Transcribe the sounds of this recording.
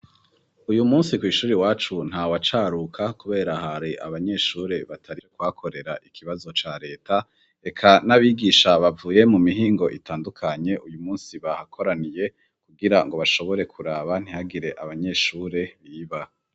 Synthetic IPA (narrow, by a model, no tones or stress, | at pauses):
ujumuːnsikwiːʃuːɾiwaːt͡ʃun̥hawat͡ʃaːɾukʰakuβe̞ːɾahaɾeʔaβaɲe̞ːʃuːɾe̞βatʰaɾiekwakʰo̞ɾe̞ɾaʔikʰiβazo̞t͡ʃaɾe̞ːtʰa | e̞kʰanaβiːɡiːʃaβavuːje̞mumiɦiːŋɡo̞ʔitaːndukʰaɲe̞ʔujumuːnsiβahakʰo̞ɾanije̞ | kuɡiɾaŋɡo̞βaʃo̞βo̞ɾe̞kʰuɾaːβan̥ihaɡiɾe̞ʔaβaɲe̞ːʃuɾe̞βiːβa